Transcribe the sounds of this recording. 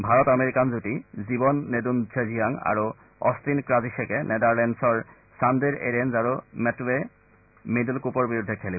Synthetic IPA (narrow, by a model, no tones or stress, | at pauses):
bʱaɹɔtameɹikanzutizibɔnːedund͡ʑʰezijaŋa̰ɹu | ɔ̰st̪inkɹaziʃekɛnʔed̪aɹlɛnsɔɹ | sand̪eɹḛɹenzaɹumɛtwe | medilkupɔɹbiɹud̪ʱːɛkʰɛlib